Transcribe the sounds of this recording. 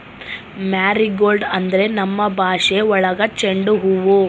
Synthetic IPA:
maːɾiɡoːlɖɐnd̪ɐɾe̞nɐmːɐbʱaːʂeɔɭɐɡɐt͡ʃeɳɖuɦuʋu

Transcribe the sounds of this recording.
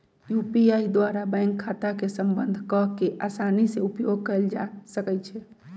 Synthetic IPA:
jupiaid̪waɾabɛ̃ɪŋkʰːat̪akesəmbənd̪ʱkɔɦkeʔasaniseupjoɡ̚kəld͡ʒasəkɛt͡ʃʰɛ

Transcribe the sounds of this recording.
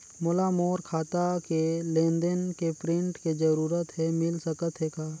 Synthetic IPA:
molamoːɾkʰaːt̪akelẽːnd̪ənkepɾɪ̃ɳʈked͡ʒəɾuːɾət̪ɦɛmɪlsəkət̪ɦekaː

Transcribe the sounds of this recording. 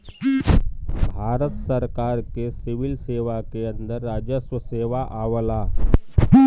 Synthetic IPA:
bʱaːɾət̪səɾkaːɾkesɪʋɪlseːʋakeɐ̃nd̪əɾːaːd͡ʒəswəseːʋaʔaːʋəlaː

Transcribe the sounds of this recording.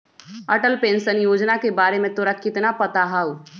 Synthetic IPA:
əʈəlpẽːnsənjoːd͡ʒnakebaːɾemẽt̪oːɾakɪt̪napɐt̪aɦaːu

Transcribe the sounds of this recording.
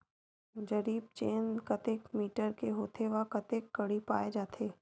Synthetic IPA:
d͡ʒɐɾiːb̚t͡ʃeːnkɐt̪eːkmiːʈəɾkeɦoːt̪ʰeʋakɐt̪eːkːɐɽipaːed͡ʒaːt̪ʰeː

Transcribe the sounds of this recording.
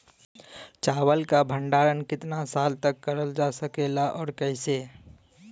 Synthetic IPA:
t͡ʃaːwəlkabʱə̃ɳɖaːɾənkɪt̪nasaːlt̪əkːəɾəld͡ʒasəkelaʔɔːɾkəɪse

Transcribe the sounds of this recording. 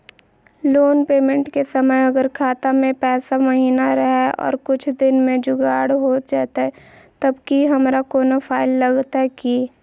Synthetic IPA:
loːnpeːmẽɳʈkesɐməjɐɡəɾkʰaːt̪amẽpɛːsamɐɦiːnaɾəɦɛɔ̰ːɾkʊt͡ʃʰd̪ɪnmẽd͡ʒʊɡaːɽɦoːt̪̚d͡ʒaːt̪aɦɛ | t̪ɐbkiɦɐmɾakoːnofʰaːɪlːɐɡt̪aɦɛki

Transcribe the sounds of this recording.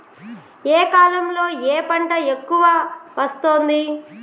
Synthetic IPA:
eːkaːlɐmlo̞ːeːpɐɳʈɐekːuʋaːʋɐst̪o̞ːnd̪i

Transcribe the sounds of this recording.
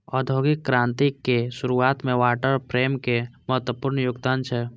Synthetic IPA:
ɔːd̪ʱoːɡɪkːɾãːnt̪ikːeʃʊɾuaːt̪mẽʋaːʈəɾpɾeːmkeməɦət̪wəpʊɾɳəjʊɡd̪aːnt͡ʃʰɛ

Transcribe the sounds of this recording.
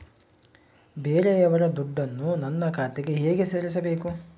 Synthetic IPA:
beːɾeɛʋɐɾɐd̪uɖːɐnːunɐnːɐkʰaːt̪eɡeɦeːɡe̞seːɾis̬ɐbe̞ːku

